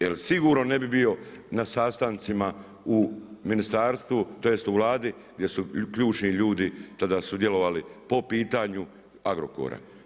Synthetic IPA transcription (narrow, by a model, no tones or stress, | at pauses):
jelsiɡuːɾnone̞bibijo̞nasaːst̪ant̪sima | uminist̪aːɾst̪ʋut̪ojest̪uʋlaːd̪i | ɡd̪ʲje̞sukʎuːt͡ʃniʎuːd̪it̪ad̪asud̪je̞lo̞ʋalipo̞piːt̪aɲu | aɡɾo̰ko̰ɾa̰